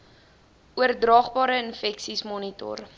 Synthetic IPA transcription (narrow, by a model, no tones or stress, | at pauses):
uərdrɑːχbɑːɾəənfɛksismɔnitɔ̰r